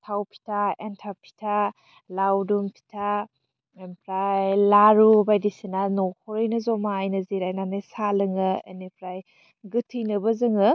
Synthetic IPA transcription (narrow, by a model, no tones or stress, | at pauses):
tʰawpʰi̥tʰaentʰapʰi̥tʰa | lawdumpʰi̥tʰa | empʰɾajlaɾubajdisinanɔhʰɔɾɯjnɐzɔmaːjnɐziɾajnanɯjsalɯŋɯḛnipʰɾaj | ɡɯtʰijnɐbɐzɯŋɯ